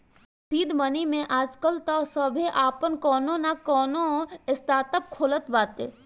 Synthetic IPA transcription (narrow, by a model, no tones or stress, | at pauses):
siːd̪mənimẽʔaːd͡ʒkəlt̪asəbʱiʔaːpənkɔːnõnakɔːnoɪst̪aːt̪əp̚kʰoːlət̪baːt̪ḛː